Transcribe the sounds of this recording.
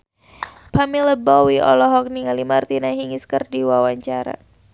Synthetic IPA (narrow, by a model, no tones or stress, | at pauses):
pamiləbɔwiʔɔ̰lɔɦɔk̚niŋalimart̪inaɦiŋiskərdiwawaɲt͡ʃaɾa̰